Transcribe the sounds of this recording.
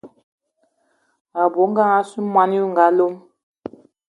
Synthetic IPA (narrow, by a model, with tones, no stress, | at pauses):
a˨bo˨˦ŋ˦ɡa˦ŋa˦su˦ma˦ni˦u˦ŋ˨ɡa˨˦lo˦m